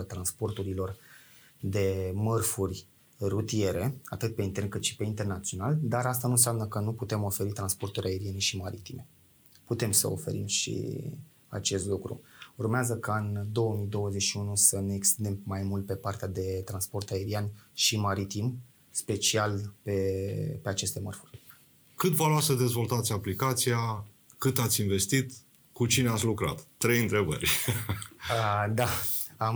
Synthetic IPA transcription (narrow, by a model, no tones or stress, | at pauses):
t̪ɾanspo̞rt̪uɾilo̞r | d̪e̞mərfurʲ | rut̪ije̞ɾe̞at̪ɨt̪̚pe̞int̪e̞rnkɨt̪ʃi̥pe̞int̪e̞rnat̪sijo̞nald̪aɾast̪anunseamnəkənuput̪e̞mo̞fe̞ɾit̪ɾanspo̞rt̪uɾʲae̞ɾie̞neʃimaɾit̪ime̞ | put̪e̞msə̰ofe̞̰ɾimʃḭ | a̰t͡ʃest̪lukɾṵurmeazəkaɨnd̪o̞wəmijd̪o̞wəzet͡ʃʲʃiunusəne̞ːkst̪ind̪e̞mːajmult̪̚pe̞part̪ead̪e̞t̪ɾanspo̞rt̪ae̞ɾianʃimaɾit̪im | spe̞t͡ʃialpe̞pe̞at͡ʃe̞st̪e̞mərfu̥rʲ | kɨt̪valoasəd̪e̞zvo̞lt̪at̪sʲaplikat̪sija | kɨt̪at̪sʲinve̞st̪it̪ | kut͡ʃineat̪sʲlukɾa̰t̪ːɾe̞jɨnt̪ɾe̞bə̰rʲ | əd̪aam